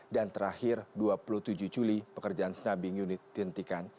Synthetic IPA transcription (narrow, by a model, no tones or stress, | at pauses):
dant̪əɾahɪrduapuluht̪ud͡ʒuhd͡ʒulipəkərd͡ʒaansənabiŋjunɪt̪̚ːdint̪ikan